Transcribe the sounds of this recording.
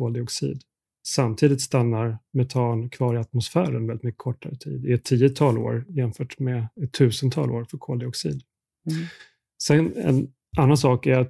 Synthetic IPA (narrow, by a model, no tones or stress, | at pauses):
kʰoːld̪ɪɔksḭːd̪ | samt̪ʰiːd̪ɪt̪st̪anːaɾmɛt̪ʰɑːnkʰvɑːɾɪat̪mʊsfæːɾə̰nvɛlɪt̪mʏkːə̥kʰɔʈːa̰ɾət̪ʰḭːd̪ɪɛt̪ʰːiːət̪ʰɑːlo̰ːɾjɛmfœːʈmɛɛt̪ʰːʉ̟ːsənt̪ʰɑ̰ːlʔoːɾfœɾkʰoːld̪ɪɔksḭːd̪ | sɛnɛ̰n | ʔanːansɑːkæɾat̪